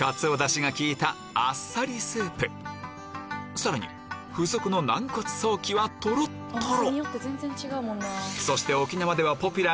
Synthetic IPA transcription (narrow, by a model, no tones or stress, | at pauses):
ɡat͡sɨod̪aɕiɡakʲiːt̪aː | sːaɾʲisɨːpɯ̟ | saɾaɲ̟ḭ | ɸɯ̟so̞kɯ̟no̞nãŋkot͡sɨ̥so̞ːkʲiβat̪o̞ɾot̪ʰːoɾoijot̪ːezẽ̞nzẽ̞ɲ̟t͡ɕiɡaɯmõnːeso̞ɕi̥t̪e̞o̞kʲinamad̪e̞βapo̞pʲɯ̟ɾa